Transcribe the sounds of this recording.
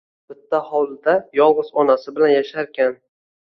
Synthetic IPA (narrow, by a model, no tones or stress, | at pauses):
bɪt̪ʰːahɒwlɪd̪ajɒlˠʁʊzɒnasɪbɪlanjaʃaɾkʲʰan